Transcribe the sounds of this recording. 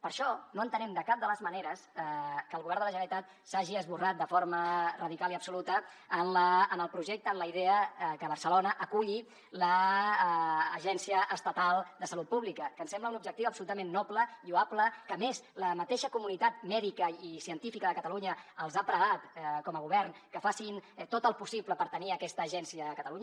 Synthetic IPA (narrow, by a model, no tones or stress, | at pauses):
pəɾʃɔnoənt̪ənɛmd̪əkap̚d̪ələzməneɾəskəːlˠɣuβɛɾnd̪ələʒənəɾit̪at̪̚ | saʒiəzβurat̪̚d̪əfoɾmərəðikaliəpsulut̪əː | nləːnəlˠpɾuʒɛk̚t̪əːnləiðɛəkəβ̞əɾsəlonəʔəkuʎi | lə | ʒɛnsiəʔəst̪ət̪alˠd̪əsəlut̪̚puβlikəkənsɛmbləunubʒəkt̪iwəpsulut̪əmenːɔpləʎuapləkəmezləmət̪eʃəkumunit̪at̪̚mɛðikəisiənt̪ifikəðəkət̪əluɲəəlˠzapɾəɣat̪kɔməɣ̞uβɛrnkəfasint̪ot̪əlˠpusipləpəɾt̪əniəkɛst̪əːʒɛnsiəːkət̪əluɲə